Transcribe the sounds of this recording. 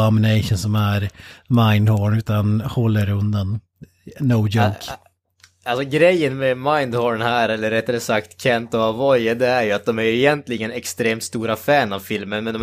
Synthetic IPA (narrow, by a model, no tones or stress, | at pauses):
amɪneɪʂənsɔmæɾmaɪnd̪hɔːɳʉ̟ːt̪anhɔlːəɾɵnd̪an | noːd͡ʒoʊk | alsɔɡɾɛjːənmɛmaɪnd̪hɔːɳhæːɾɛlːəɾɛt̪ːɛləsakt̪kʰɛnt̪ɔavɔjəd̪ɛæɾjɵat̪̚d̪ɔmæɾjɵɪjɛnt̪lɪɡənɛkst̪ɾeːmt̪st̪uːɾafæːnavfɪlmənmɛnd̪ɔ